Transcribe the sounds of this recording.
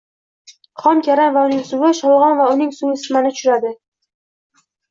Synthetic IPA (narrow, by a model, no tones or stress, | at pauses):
χɒmkʲʰaɾanvaʊnɪŋsʊwɪʃɒlˠʁɒnvaʊnɪŋsʊɪsmanɪt̪ʰʊʃʊɾad̪ɪ